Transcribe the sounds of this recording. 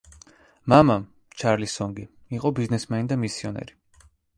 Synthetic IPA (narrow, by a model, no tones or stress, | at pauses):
mama | t͡ʃʰaɾlisɔŋɡi | iqʼɔbiznɛsmanid̪amisiɔnɛ̰ɾi